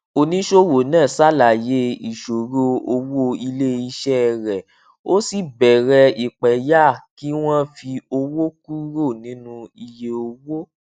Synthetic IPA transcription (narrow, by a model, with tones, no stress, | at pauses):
o˨nĩ˨˦ʃo˦wo˨nãː˦˨sa˦˨la˨je˨˦i˨ʃo˨ɾo˦˧o˧wo˦i˧le˦i˧ʃɛ˦ɾɛ˨ | o˦si˦˨bɛ˨ɾɛ˧i˨k͡pɛ˨˦ja˦˨ki˦w̃ɔ̃˦fi˧o˧wo˦ku˦ɾo˦˨nĩ˨˦nũ˧i˧je˧o˧wo˦